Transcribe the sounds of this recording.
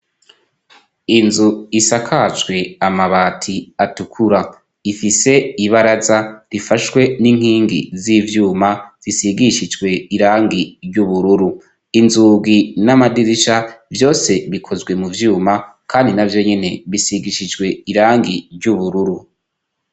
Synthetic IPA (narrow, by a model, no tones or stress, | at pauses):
inzuisakʰat͡ʃwe̞amaβaːtʰiatukʰuɾa | ifise̞iβaɾazaɾifaʃwe̞niŋ̥hiːŋɡḭziːvjuːmaz̥isiɡiʃid͡ʒɡwe̞iɾaːŋɡiɾɟuβuɾuɾu | inzuɡinamadiɾiʃavjo̞ːse̞βikʰo̞zɡwe̞muvjuːmakʰaːndinavjo̞ɲe̞ne̞βisiɡiʃid͡ʒɡwe̞iɾaːŋɡiɾɟuβuɾuɾu